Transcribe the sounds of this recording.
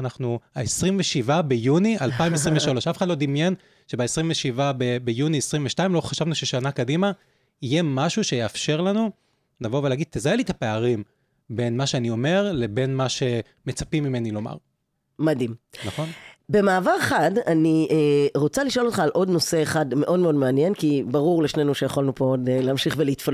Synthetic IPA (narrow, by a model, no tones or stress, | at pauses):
anaχnuaesʁimveʃivabe̞junialpaimes̬ʁimveʃalo̞ʃafeχadlod̪imje̞n | ʃe̞baesʁimveʃivabebejuniesʁiɱveʃtaimlo̞χaʃavnuʃeʃanakadima | ijemaʃuʃe̞jeafʃe̞ʁlanu | navo̞veleaɡid̪̚t̪ezaelit̪ape̞aʁim | be̞nmaʃeanio̞me̞ʁlebe̞nmaʃe̞ | met͡sapimːime̞nilo̞ma̰ʁ | madimnaχo̞nbe̞maːvaʁeχadaniʔeʁo̞t͡saliʃolo̞t̪χaːlʔo̞dno̞se̞ːχadme̞ʔo̞dmeo̞dmeanje̞nkibaʁuʁleʃne̞nuʃe̞jaχolnupodeleamʃiχvelit̪fa